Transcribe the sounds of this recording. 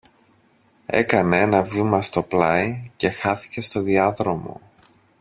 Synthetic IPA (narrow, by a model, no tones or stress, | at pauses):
e̞̰kɐnee̞nɐvimɐst̪o̞plɐice̞xɐθi̥ce̞st̪o̞ðiɐðɾo̞mo̞̰